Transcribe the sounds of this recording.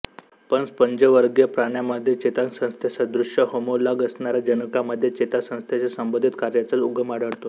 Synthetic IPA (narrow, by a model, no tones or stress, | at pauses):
pənspəɲd͡ʑəʋəɾɡjəpɾaɳjaməd̪ʱːjet͡ɕet̪ansə̃st̪ʰjesad̪ɾuʂəɦomolaɡəsɳaɾad͡ʑənəkaməd̪ʱːjet͡ɕet̪asə̃w̃st̪ʰjet͡ɕasəmbod̪ʱit̪kaɾjat͡sət͡suɡʱəmaɽəɽt̪o